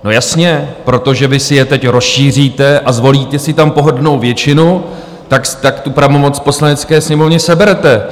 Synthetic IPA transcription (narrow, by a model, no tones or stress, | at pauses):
no̞jasɲɛpɾo̞t̪o̞ʒɛvɪsɪjɛt̪ɛcɾo̞sʃiːr̝iːt̪ɛʔazvo̞liːt̪ɛsɪt̪ampo̞ɦo̞dno̞wvjɛt͡ʃɪnu | t̪akst̪akt̪upɾavo̞mo̞t͡spo̞slanɛt͡skɛːsɲɛmo̞vɲɛsɛbɛɾɛt̪ɛ